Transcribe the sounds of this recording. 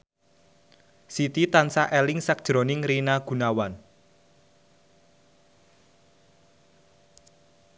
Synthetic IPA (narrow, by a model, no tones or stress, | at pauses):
sit̪it̪ansaʔɛlɪŋsak̚d̥ʒ̥ɾo̤nɪŋɾinaɡ̥ṳnawan